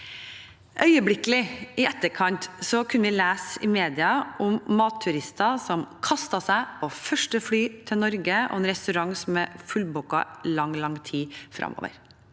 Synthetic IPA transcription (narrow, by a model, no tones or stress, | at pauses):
ʔœʏəblɪkəlɪɪʔɛt̪ːəɾkʰɑnt̪sɔkʰʉnəʋɪleːsɪmeːd̪ɪɑʔʊmːɑːt̪ʰːʉɾɪst̪ɑsɔmkʰɑst̪ɑsæɪofœʂʈəflyːt̪ʰɪlnɔɾɡəo̰ɛnɾɛst̪ʉɾɑŋsɔmɛfʉlbʊkːɑ̰lɑŋːlɑŋːt̪ʰiːfɾʔɑ̰mo̰ːʋə̰ɾ